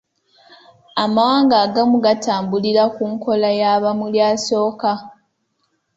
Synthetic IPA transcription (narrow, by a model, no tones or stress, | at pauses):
amawaːŋɡaːɡamuɡatʰaːmbuliɾakuŋko̞lajaβamuljaːso̞ːka